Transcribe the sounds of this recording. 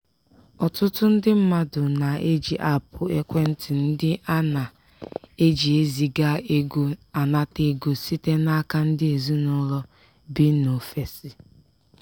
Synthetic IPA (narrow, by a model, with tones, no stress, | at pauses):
ɔ˨tʊ˦tʊ˦n̩˦dɪ˦m̩˦ma˦dʊ˨na˨e˦d͡ʒi˨ʔa˦pʊ˨e˦kʷe˦n̩˦tɪ˨n̩˦dɪ˦ʔa˦na˨ | e˦d͡ʒi˨e˦zi˨ɡa˦e˦ɡo˦a˨na˦te˦ɡo˨si˦te˦na˦ka˦n̩˦dɪ˦e˨zu˦nɔ˦lɔ˦ | bi˦no˨fe˨si˨